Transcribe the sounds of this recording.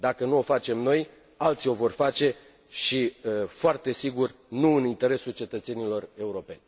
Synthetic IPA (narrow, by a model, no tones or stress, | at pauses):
d̪akənuo̞fat͡ʃe̞mno̞j | alt̪sio̞vo̞rfat͡ʃe̞ | ʃifoart̪e̞siɡur | nuɨnint̪e̞ɾe̞sult͡ʃe̞t̪ət̪se̞nilo̞re̞uɾo̞pe̞̰nʲ